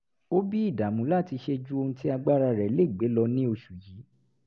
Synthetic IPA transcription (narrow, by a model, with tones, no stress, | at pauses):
o˦bi˦i˦˨da˨mũ˨˦la˦˨ti˧ʃe˧d͡ʒu˦o˧hũ˧ti˦a˧ɡ͡ba˦ɾa˧ɾɛ˨˦le˦˨ɡ͡be˨˦lɔ˧nĩ˦o˧ʃu˨ji˨˦